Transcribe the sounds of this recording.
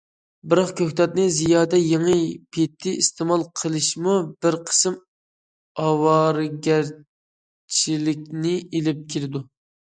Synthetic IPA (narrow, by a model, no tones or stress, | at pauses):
bɨɾɑχkʲʰøhʲt̪ɑt̪̚nɨzijɑːd̪ɛjeŋɨpʰet̪ʰːɪist̪ʰemɑlˠqʰəlˠɨʃmubɪɾqʰə̥sɨm | ɑwɑɾɡʲæɾ | t͡ʃʰilɪkʲnɪelɪp̚kʲʰiɾɪd̪u